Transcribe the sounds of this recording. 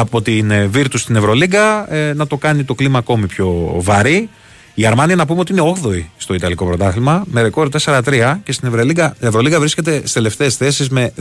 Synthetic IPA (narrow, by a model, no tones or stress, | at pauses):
ɐpo̞t̪inviɾt̪ust̪ine̞vɾo̞liɡɐnɐt̪o̞kɐnit̪o̞klimɐːko̞mipço̞vɐɾi | iɐɾmɐniɐnɐp̬umot̪iine̞o̞ɣðo̞ist̪o̞it̪ɐliko̞pɾo̞t̪ɐθimɐmeɾeko̞ɾt̪e̞seɾɐt̪ɾiɐcest̪ine̞vɾoliɡɐievɾo̞liɡɐvɾisce̞t̪e̞st̪e̞left̪e̞ːsθe̞sizme̞